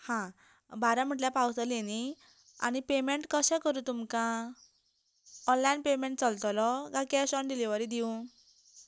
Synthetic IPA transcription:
hã | baɾãm̤əʈ̬ljapawsəleni | a̰ñipemeɳʈkəsɛ̃kəɾũt̪umkã | ɔ̃nlajnpemeɳʈ̚t͡səlt̪lɔɡãkasɔɳɖiliʋəɾid̪iũ

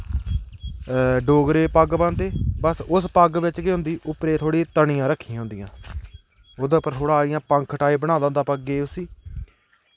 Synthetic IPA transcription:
ɖoːɡɾeːpəɡbə̃ːnd̪eːbəsʊspəɡʋɪt͡ʃkeːɦʊ̃nd̪iːʔʊpɾeːt̪ʰoːɽiːt̪əɳɪjãːɾəkʰːĩːɦʊ̃nd̪ijãː | oːd̪aːpəɾt̪ʰoːɽaːɪjãːpəŋkʰʈaːiːbəɽaːlãːnd̪aːpəɡːeːʊsiː

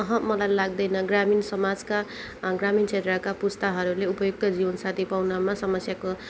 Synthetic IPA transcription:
ʌɦʌmʌlajlaɡ̚d̪ʌjnʌɡraminsʌmad͡zka | ɡramint͡sʰet̪ɾakapust̪ʌɦʌɾuleupʌjuk̚t̪ʌd͡zibʌnsat̪ʰipawnʌmasʌmʌsjako

